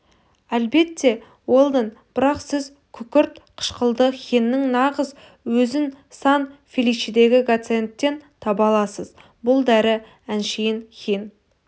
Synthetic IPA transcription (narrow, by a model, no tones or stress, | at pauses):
ælbe̞t̪ːe̞ | wo̞lˠd̪ənb̥ɪɾɑqsɪz | kʲʰʏkʲɪɾt̪qʰə̥ʃqəlˠd̪əχʲenːɪŋnɑʁəz | wɵzɪnsɑnfʲelijt͡ʃid̪e̞ɡʲɪɡot̪se̞nt̪ːe̞nt̪ʰɑbɑlˠɑsəz | bʊlˠd̪æɾɪ | ænʃejɪnkʲen